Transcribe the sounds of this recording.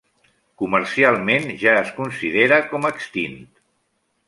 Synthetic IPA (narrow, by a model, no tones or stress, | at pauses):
kuməɾsialˠmenʒaəskunsiðeɾəkɔməkst̪int̪